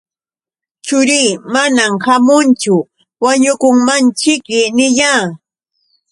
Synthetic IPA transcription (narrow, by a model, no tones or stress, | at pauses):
t͡ʃʊɾiːmanamhamʊnt͡ʃʊ | waɲʊkʊŋmant͡ʃɪkmɪnɪʎaː